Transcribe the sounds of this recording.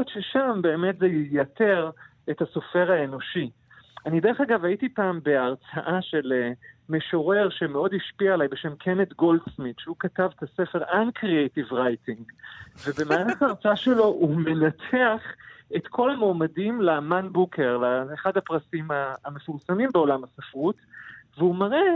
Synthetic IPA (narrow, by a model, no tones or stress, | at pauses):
jotʃeʃambe̞ːmetzejijate̞ʁ | ethaso̞fe̞ʁaeno̞ʃi | anid̪e̞ʁeχaɡavaitipaːmbe̞aʁt͡saʔaʃe̞leme̞ʃo̞ʁe̞ʁʃemeo̞diʃpiaelajbe̞ʃe̞mkʰenetɡo̞ldsmitʃeukatavet̪asefe̞ʁʔankʁiejtivʁajtiŋɡve̞be̞maːnaχaːʁt͡saaʃe̞lo̞ʔume̞natʰe̞aχe̞tkʰo̞lamoːmadimlemanbukʰe̞ʁlaeχadhapʁasimaːme̞fuʁsamimbeo̞lamasafʁutveumaʁe